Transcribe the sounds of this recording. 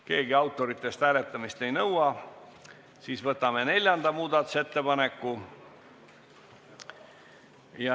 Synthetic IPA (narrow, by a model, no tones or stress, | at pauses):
ke̞ːɡiɑwt̪ːˑo̞ɾit̪ːˑe̞st̪hæːle̞t̪ːˑɑmist̪e̞jnɤwɑ | siːsvɤt̪ːˑɑme̞ne̞lʲjɑnd̪̥ɑmuːd̪ɑt̪ːˑu̥se̞t̪ːe̞pɑne̞kːu | jɑ